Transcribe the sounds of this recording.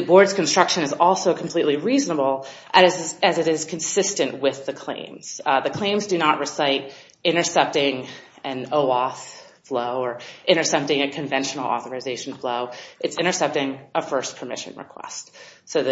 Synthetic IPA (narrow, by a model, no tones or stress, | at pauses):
ðɨbɔɹdz̥knstɹ̥ʌkʃɨ̃nɨzɔlˠsoʊkʰm̩pʰl̥iʔˡliɹiznəbl̩ˠʔɨzɨzɨɾɪz̥kʰɨ̃n̩sɪstɨ̃nʔwɪðɨkʰl̥ḛ̃ɪ̃mz̥ðɨkʰl̥ẽɪ̃mzdɨnəʔ̚ɹʔɨsaɪɾ | ɪ̃ɾ̃ə˞sɛp̚tɪ̃ŋ | ɨ̃noʊɔθ | floʊə˞ʔɪ̃ɾ̃ə˞sɛp̚tɪ̃ŋɨkʰɨ̃ɱvɛ̃nʃn̩l̩ˠɔ̰θə˞ɨzeɪʃn̩floʊʔɨtsɪ̃ɾ̃ə˞sɛp̚tɪ̃ŋʔəfɜ˞spʰə˞mɪ̰ʃɨ̰̃nɹɨ̰kʰw̥ɛ̰stsoʊðɨ